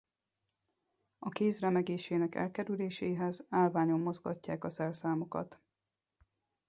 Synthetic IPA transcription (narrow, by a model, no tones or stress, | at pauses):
ɒkeːzrɛmɛɡeːʃeːnɛkɛ̰lkɛɾyleːʃeːɦɛzaːlvaːɲo̞mːo̞zɡɒcːaːkɒsɛrsaːmo̞kɒ̰t̪